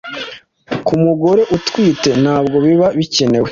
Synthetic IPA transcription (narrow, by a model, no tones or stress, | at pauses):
kumuɡo̞ɾe̞ʔutkwiːte̞n̥haːbɡo̞βiβaβice̞ne̞we